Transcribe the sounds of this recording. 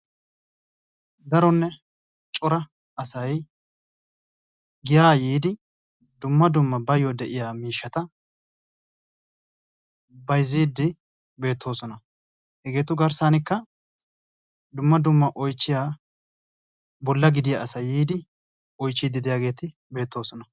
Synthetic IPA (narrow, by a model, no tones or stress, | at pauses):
d̪ɐɾɔnːɛ | t͡ʃʼɔɾɐ | ɐsɐj | ɡɪjaːjiːd̪ɪ | d̪ʊmːɐd̪ʊmːɐbɐjɔd̪ɛʔɪjaːmiːʃːɐt̪ɐ | bɐjziːd̪ːɪ | be̞ːt̪ːo̞ːsɔnɐ | hɛɡe̞ːt̪ʊɡɐɾsaːnɪkːɐ | d̪ʊmːɐd̪ʊmːɐʔɔjt͡ʃːɪjaː | bɔlːɐɡɪd̪ɪjaɐsɐjːiːd̪ɪ | ɔjt͡ʃːid̪ɪd̪ɪjaːɡe̞ːt̪ɪ | be̞ːt̪ːo̞ːsɔnɐ